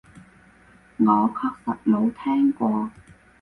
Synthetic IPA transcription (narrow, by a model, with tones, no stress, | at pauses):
ŋɔː˨˧kʰɔː˥k̚sɐ˨t̚lo˨˧˥wt̪ʰɛː˥ŋkʷɔː˧